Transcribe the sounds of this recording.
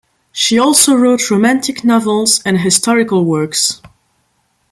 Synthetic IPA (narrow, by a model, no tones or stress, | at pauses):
ʃiɔlˠsoʊɹoʊtʰɹoʊmæ̃ntʰɪknɑvəlˠzɨ̃nɦɪstʰɔɹɪkəlˠwɜ˞ks